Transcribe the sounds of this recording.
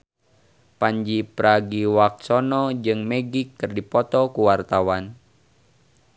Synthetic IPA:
paɲd͡ʒipɾaɡiwak̚sɔnɔd͡ʒɨŋmɛɡikːɨrdipɔt̪ɔkuwart̪awan

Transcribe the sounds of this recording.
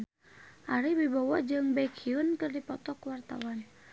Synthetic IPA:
ʔaɾibibawad͡ʒɨŋbɛkʰiunkɨrdipɔt̪ɔkwart̪a̰wan

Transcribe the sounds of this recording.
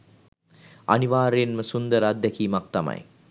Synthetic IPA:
a̰niʋaːɾejenməsund̪əɾad̪ːɛkiːmak̚t̪ama̰j

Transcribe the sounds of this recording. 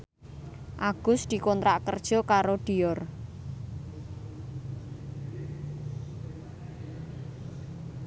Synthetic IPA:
ʔaɡ̥ʊsd̪̥i̤kɔnt̪ɾaʔkərd̥ʒ̥ɔ̤kaɾoɖ̪̥iɔr

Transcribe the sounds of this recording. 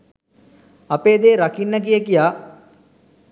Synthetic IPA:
apeːd̪eːɾakinːək̬ijəkijaː

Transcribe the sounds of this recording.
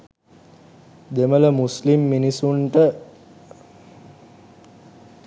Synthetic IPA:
d̪emələmuslimːinisuɳʈə

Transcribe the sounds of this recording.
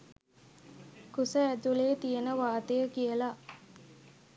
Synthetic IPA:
kusəæt̪uleːt̪ijənəʋaːt̪əjəkijəlaʔ

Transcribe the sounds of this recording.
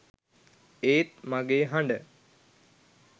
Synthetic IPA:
eːt̪̚maɡeːɦaɳɖə

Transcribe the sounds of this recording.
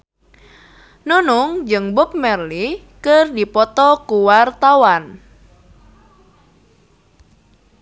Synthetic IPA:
nunʊŋd͡ʒɨŋbʊp̚mɛrli | kərdipɔt̪ɔkuwart̪awan

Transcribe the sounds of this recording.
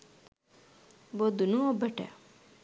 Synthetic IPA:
bod̪unuobəʈɛ̰

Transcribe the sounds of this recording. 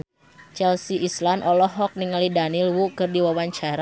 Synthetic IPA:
t͡ʃɛlsiʔislanʔɔlɔɦɔk̚niŋalidanilwukɨrdiwawaɲt͡ʃaɾa

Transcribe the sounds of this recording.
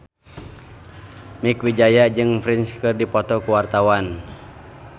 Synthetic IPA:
mikwid͡ʒajad͡ʒɨŋfɾinskɨrdipɔt̪ɔkuwart̪awan

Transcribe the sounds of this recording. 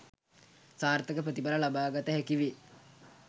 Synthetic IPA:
saːrt̪əkəprət̪ipaɾəlabaːɡat̪əɦækiʋi

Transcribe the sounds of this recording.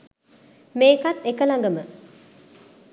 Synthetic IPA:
meːkat̪ːekəlaŋɡəmə

